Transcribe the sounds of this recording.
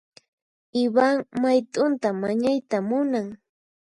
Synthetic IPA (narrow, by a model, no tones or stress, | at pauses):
ɪwaŋmajt̪ʼʊnt̪amaɲajt̪amʊnaŋ